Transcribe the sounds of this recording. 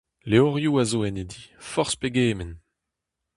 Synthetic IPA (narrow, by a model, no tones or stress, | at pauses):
leɔʁjuazoɛned̪ifɔʁspeɡeːmɛn